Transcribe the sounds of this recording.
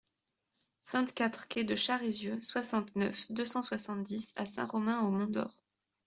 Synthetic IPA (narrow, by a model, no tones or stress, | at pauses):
vɛ̃t̪kʲat̪χkʲʰɛd̪əʃaʁezjøswasɑ̃t̪nœfd̪øsɑ̃swasɑ̃t̪̚d̪isa̰sɛ̰̃ʁɔmɛ̃omɔ̃d̪ɔ̰ʁ